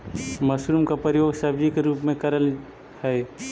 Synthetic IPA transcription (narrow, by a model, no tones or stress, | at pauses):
mɐsɾumkapəɾɪjoːɡsɐbd͡ʒikeɾuːpmẽkəɾəl | hɛe